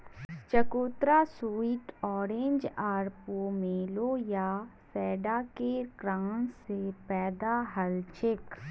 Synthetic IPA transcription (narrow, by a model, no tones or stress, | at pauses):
t͡ʃɐkoːt̪ɾasuːiʈɔːɾẽːɲd͡ʒaːɾpomeːlojasɛːɖakekɾaːnsepɛːd̪aɦɐlt͡ʃɪk